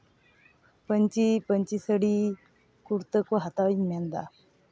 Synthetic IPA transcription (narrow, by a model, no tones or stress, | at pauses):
pəɲt͡ɕipəɲt͡ɕisəɽi | kuɾt̪əkoɦat̪aʋimɛnd̪a̰